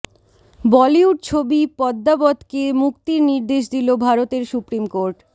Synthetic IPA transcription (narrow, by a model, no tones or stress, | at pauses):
bɔliuɖ̚t͡ɕʰobipɔd̪ːabɔd̪kemuk̚t̪iɾniɾd̪eʃ̬d̪ilobʱaɾot̪eɾsupɾimkoɾʈ